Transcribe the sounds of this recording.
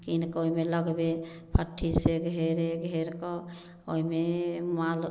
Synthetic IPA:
kinkoimeləɡbe | pʰəʈʰːiseɡʱeɾeɡʱeɾkɔ | oimemal

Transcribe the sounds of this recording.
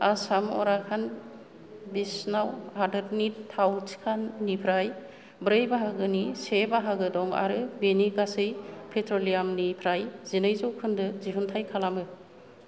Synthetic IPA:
asamɔ̰ɾakʰan | bisnawhadɯɾnittʰːawsi̥kʰanːipʰɾaj | bɾɯjbaɦaɡɯnisebaɦaɡɯdɔŋa̰ɾɯbeniɡasɯjpʰetʰɾolijamnipʰɾajzinɯjzɔwkʰɯndɯziɦuntʰajkʰalamɯ

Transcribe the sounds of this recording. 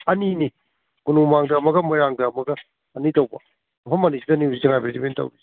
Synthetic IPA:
ɐnini | kunumaŋdɐːmɐɡɐmajɾaŋdɐːmɐɡɐː | nitɐwbɐ̰ | ɐpʰɐmɐnisidɐniusizeŋajpɾezimentɐ̰wɾizi

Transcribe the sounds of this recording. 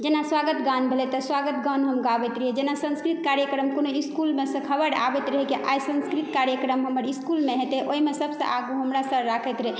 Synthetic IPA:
d͡ʒenaswaɡət̪ɡanbʱelɛt̪ɔswaɡət̪ɡanɦəmɡabɛt̪ɾəɦɛd͡ʒenasə̃nskɾit̪̚kaɾjəkɾəmkonoiskulmesə̃kʰəbəɽa̰bɛt̪ɾəɦɛkeʔajsə̃nskɾit̪kaɾjəkɾəmɦəməɾiskulmeɦet̪eʔoimesəbʱsə̰̃ʔaɡuɦəmɾasəɾakʰət̪ɾəɦe

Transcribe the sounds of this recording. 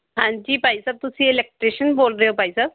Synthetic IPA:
ɦãːɲd͡ʒiːpaːisaːb̚t̪ʊsĩːɪlɛːk̚ʈɾeːʃənboːlɾeɦoːpaːisaːb

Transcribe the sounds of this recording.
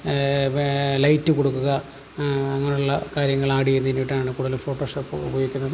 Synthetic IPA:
lɐjtːɨkoɽukːuɣɐː | ŋːɐɭuɭːɐkaːɾjɐŋːɐɭaːɽienːɐinʋiʈːaːɳɨkuːɽɐɐlufoːʈːoːʂɐpːbʱoːjikʲːunːɐðɨ

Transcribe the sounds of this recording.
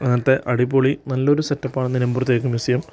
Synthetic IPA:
ɐŋːɐɐt̪ːe̞ʔɐɽipːoːɭinɐlːo̞ɾusɐtːɐpːaːɳenːinɐmburɐt̪ːjek̬ːumʋisijɐm

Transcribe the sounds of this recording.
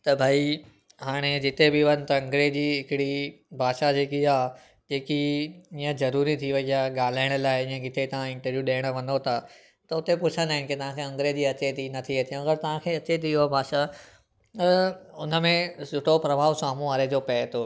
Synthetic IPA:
t̪ɐbʱaːi | ɦaːɽ̃ed͡ʑɪt̪ebɪʋɐnt̪ɐɐ̃ŋɡɾed͡ʑiːɦɪkɪɽi | bʱaːʃad͡ʑeːkiaː | d͡ʑeːkiiːə̃zɐɾuːɾit̪ʰiʋɐiaɠaːl̤aːɪɽ̃ə̆laːɪĩːə̃ɡɪt̪et̪ɐʋ̤ãɪ̃ɳʈəɾʋjuɗeːɽ̃əʋɐ̃nd̪ot̪ʰa | t̪ɐʊt̪epʊt͡ɕʰə̃nd̪aːɦɪ̃nket̪ɐʋ̤ãkʰeɐ̃ŋɡɾed͡ʑiːɐt͡ɕet̪inɐt̪ʰiet̪ijũɐɡəɾt̪ɐʋ̤ãkʰeːɐt͡ɕet̪̬iɦoabʱaːʃa | t̪ɐʊnəmẽsʊʈʰopɾɐbʱaːʋsaːmũaːɾed͡ʑoːpɛːɦt̪ʰo

